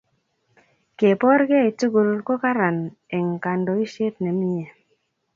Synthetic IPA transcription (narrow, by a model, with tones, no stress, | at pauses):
ke˨pɔ˦ɾɡe˦˨i˨tu˦ɡu˨lkɔ˦ka˦ɾa˨n | ɛ˨ŋ˨ka˨ndɔ˨i˦ʃe˦tnɛ˨˦m˦ɲe˨